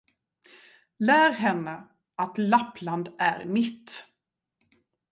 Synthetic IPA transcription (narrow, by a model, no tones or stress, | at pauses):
læːɾɦɛnːə | at̪lapːland̪æ̰ɾmɪt̪ː